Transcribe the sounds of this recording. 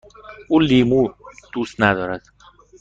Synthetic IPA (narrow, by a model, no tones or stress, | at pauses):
ʔuːliːmuːd̪̥ust̪næd̪ɒːɾæd̪̥